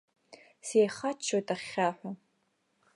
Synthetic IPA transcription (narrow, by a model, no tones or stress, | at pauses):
seːχat͡ʃʰːotʼaχːʲaːħʷa